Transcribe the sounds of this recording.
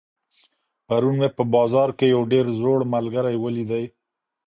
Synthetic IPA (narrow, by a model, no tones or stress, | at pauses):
paɾunmepəbɑzɑɾkejawɖeɾzoɽmalɡaɾajwəlid̪aj